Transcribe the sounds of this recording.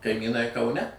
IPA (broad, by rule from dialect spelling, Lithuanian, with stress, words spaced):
kɐɪmʲiːˈnɐɪ kɐʊˈnʲɛ